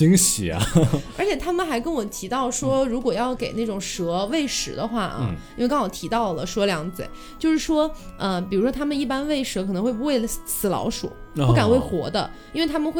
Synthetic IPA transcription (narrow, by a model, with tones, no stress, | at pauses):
i˧˥ŋɕḭ˨˩ɐ̰˦ə˞˧˥t͡ɕʰjɛ˨˩t̪ʰa˥mə˨nxa˧˥ɪkə˥nwɔ˨˩t̪ʰi˧˥t̪ɑ˥˩ʊʂwɔ˥ɻu˧˥kwɔ˨˩jɑ˥˩ʊke˨˩ɪna˥˩ʈ͡ʂʊ˨˩ŋʂɤ˧˥we˥˩ɪʂɻ̩˧˩˦d̪ə˧xwa˥˩ʔɐ̰˧˩i˥n˥ɪkɑ˥ŋwɔ˨˩t̪ʰi˧˥t̪ɑ˥˩ʊlə˩ʂɤ˧˥ljɑ˧˥ŋt͡sɹə̰˨˩˦ | t͡ɕjo˥˧ʊʂɻ̩˥˩ʂwɔ˥ə˧pi˨˩ɻu˧˥ʂwɔ˥t̪ʰa˥mə˨ni˥˩pa˥nwe˥˩ɪʂɤ˧˥kʰɤ˨˩nɤ˧˥ŋxwe˥˩ɪpu˧˥we˥˩ɪsɹ̩˨˩lɑ̰˧˥ʊʂṵ˨˩˦ka˨˩nxwe˥˩ɪxwɔ̰˧˥d̪ə̰˧i˥nwe˥˩ɪt̪ʰa˥mə˨˧xwe˥˩